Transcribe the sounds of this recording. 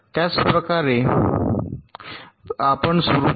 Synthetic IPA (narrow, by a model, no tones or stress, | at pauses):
t̪jat͡spɾəkaɾe | apəɳsuɾu